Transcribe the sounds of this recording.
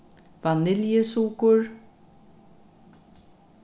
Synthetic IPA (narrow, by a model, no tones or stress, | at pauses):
vanɪljəsuːkʊɹ